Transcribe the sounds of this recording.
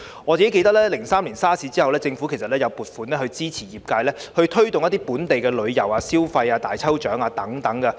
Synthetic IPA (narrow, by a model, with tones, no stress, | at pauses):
ŋɔː˨˧t͡si˨ke˦˥ke˧jt̪ɐ˥k̚lɛː˥lɪ˨˩ŋsaː˥mliː˨˩nsaː˥sʰiː˨˥t͡siː˥hɐ˨wlɛː˥t͡sɪ˧ŋfu˨˥kʰe˨˩s̬ɐ˨t̚lɛː˥jɐ˨˧wpuː˨t̚fuː˨˥nlɛː˥hɵ˧ɥt͡siː˥t͡sʰiː˨˩jiː˨˩p̚kaː˧jlɛː˥hɵ˧ɥt̪ʰɵ˥ɥt̪ʊ˨ŋjɐ˥t̪̬iː˥puː˨˥nt̪e˨jkɛː˧lɵ˨˧ɥjɐ˨˩waː˧siː˥wfɐ˧jaː˧t̪a̰ː˨jt͡sʰɐ˥wt͡ʃœː˨˥ŋaː˧t̪ɐ˨˥ŋt̪ɐ˨˥ŋkɐ˧